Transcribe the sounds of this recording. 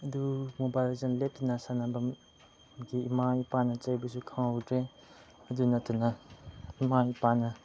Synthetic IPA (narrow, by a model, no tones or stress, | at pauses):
ɐdumubajlzanletːunasanabɐm | ɡiːmajpanɐt͡ʃajbɐsukʰaŋowdɾe | ɐdunɐtʰunɐimajpanɐ